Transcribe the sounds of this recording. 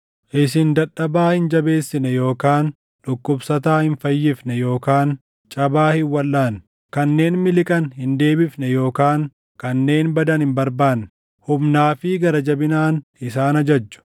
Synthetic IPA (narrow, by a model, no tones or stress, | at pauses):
ʔɪsɪnd̪ɐᶑːɐbaːhɪnd͡ʒɐbe̞ːsːɪnɛjo̞ːkaːn | ᶑʊkːʊbsɐt̪aːhɪnfɐjːɪfnɛjo̞ːkaːn | t͡ʃʼɐbaːhɪwɐlːaːn | kɐnːe̞ːnmɪlɪkʼɐnhɪnd̪e̞ːbɪfnɛjo̞ːkaːŋ | kɐnːe̞ːnbɐd̪ɐnhɪmbɐɾbaːnːɛ | hʊmnaːfɪɡɐɾɐd͡ʒɐbɪnaːnɪsaːnɐd͡ʒɐd͡ʒːʊ̥